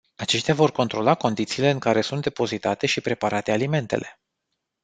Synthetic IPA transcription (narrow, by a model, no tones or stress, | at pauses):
at͡ʃe̞ʃt̪eavo̞rko̞nt̪ɾo̞lako̞nd̪it̪siːle̞ɨŋkaɾe̞sunt̪̚d̪e̞po̞zit̪at̪e̞ʃipɾe̞paɾat̪e̞alime̞nt̪e̞̰lʔe̞